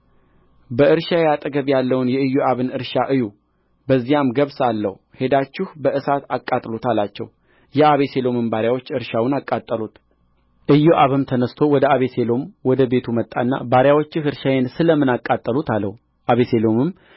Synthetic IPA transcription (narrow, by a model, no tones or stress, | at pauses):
bəɨɾʃajɛat̪ʼəɡəβjalːəwnjɛɨjːoaβɨnɨɾʃaʔɨju | bəzːijamɡəβsalːə̰h | he̞d̪at͡ʃːɪhbəʔɨsat̪akʼːat̪ʼlut̪ʰalat͡ʃːɛ̰w | jɛaβe̞se̞lo̞mɨmbaɾjawo̞t͡ʃːɨɾʃawʊnakʼːat̪ʼːəlut̪ | ʔɨjːuʔaβɨmt̪ʰənəst̪ʰo̞wɔd̪əaβe̞se̞lo̞mwɔd̪əbe̞t̪ʰumət̪ʼːanːa̰baɾjawo̞t͡ʃːɪhɨɾʃajensɨləmɨnakʼːat̪ʼːəlut̪ʰalːə̰hu | ʔaβese̞lo̞mɨm